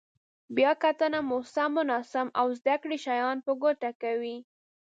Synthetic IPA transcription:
bjɑkat̪anamosamʊnɑsamawzd̪akɽiʃajɑnpəɡoʈakawi

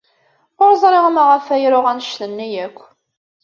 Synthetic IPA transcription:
oɾzˤɾˤeʁmaʁəfæjɾʊʁænʃθənːijækʷː

